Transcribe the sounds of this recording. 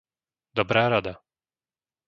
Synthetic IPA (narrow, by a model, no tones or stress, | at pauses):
d̪ɔbɾaːɾad̪a